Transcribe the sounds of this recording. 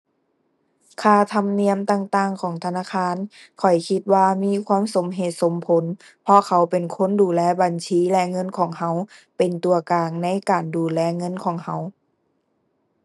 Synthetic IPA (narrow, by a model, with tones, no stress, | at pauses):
kʰaː˧˩t̪ʰa˧mni˧˥əmt̪aː˧ŋt̪aː˧˩ŋkʰɔː˨˩˦ŋt̪ʰa˧naː˧˨kʰaː˧˥˨n | kʰɔ˨˩jkʰi˧t̪̚waː˧˨miː˧˥˨kʰwaː˧˥˨mso˨˦mɦeː˨˩t̪̚so˨˦mpʰo˨˦n | pʰɔ˧kʰa˨˦wpe˨˩nkʰo˧˥˨nduː˨˩lɛː˧˩ba˨nsʰiː˧˥˦lɛ˧ŋɤ˧˥˨nkʰɔː˨˩˦ŋɦa˧˥wpe˨˩nt̪u˨ɐkaː˨ŋna˧˥˨jkaː˨˩nduː˨˩lɛː˧˥ŋɤ˧˥˨nkʰɔː˨˦ŋha˧˥w